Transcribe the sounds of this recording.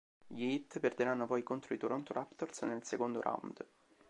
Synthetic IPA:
ʎiit̪ːperd̪eɾanːopɔjkont̪ɾoit̪uɾɔnt̪oɾʔapt̪orsnelsekond̪oɾʔa̰wnd̪

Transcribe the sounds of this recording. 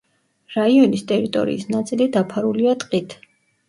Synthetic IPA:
ɾaiɔnist̪ʼɛɾit̪ʼɔ̰ɾḭːsnat̪sʼilid̪apʰaɾuliat̪ʼqʼit̪ʰ

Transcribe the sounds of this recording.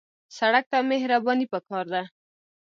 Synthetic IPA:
saɽak̚t̪amehɾabɑnipəkɑɾd̪a

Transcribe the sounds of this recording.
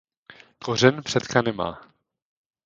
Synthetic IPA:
korɛnpr̥ɛt̪kanɛma̰ː

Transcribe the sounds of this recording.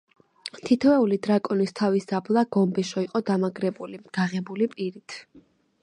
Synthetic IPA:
t̪ʰit̪ʰvɛulid̪ɾakʼɔnist̪ʰavisd̪ablˠaɡɔmbɛʃɔiqʼɔd̪amaɡɾɛbuliɡ̥aʁɛbulipʼiɾit̪ʰ

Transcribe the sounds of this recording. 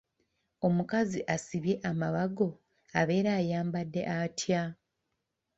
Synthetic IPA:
o̞mukaziʔasiβje̞ʔamaβaɡo̞ | aβe̞ːɾaːjaːmbadːe̞̰ʔatʰja

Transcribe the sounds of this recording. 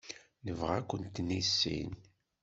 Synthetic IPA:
nəvʁækʷːənt̪ːnisːḭn

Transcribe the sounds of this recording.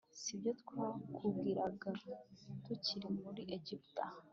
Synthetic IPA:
sibjot̪kʰʷakʰuɡiɾaɡat̪uciɾimuɾiʔeɟipt̪ʼa

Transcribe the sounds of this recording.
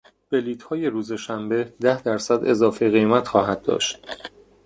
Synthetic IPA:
b̥e̞liːt̪hɒːje̞ɾuːzeʃæmbe̞d̪æhd̪æɾsæd̪e̞zɒːfeɣe̞jmæt̪xɒːɦæd̪̚ːɒ̰ːʃt̪̚

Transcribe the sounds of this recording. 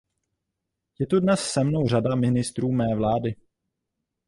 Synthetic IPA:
jɛt̪udnɛssɛmno̞wr̝adamɪnɪst̪ɾuːmɛːvlaːdɪ

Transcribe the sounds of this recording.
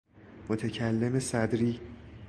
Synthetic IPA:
mot̪ʰecʰælːe̞mesæd̪ɾiː

